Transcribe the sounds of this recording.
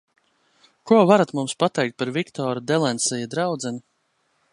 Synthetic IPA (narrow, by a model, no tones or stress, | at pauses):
kuɔvaɾat̪mumspat̪ɛjk̚t̪̚paɾvʲikt̪ɔːɾud̪ɛlˠɛnsɛjɛd̪ɾawd̪zɛni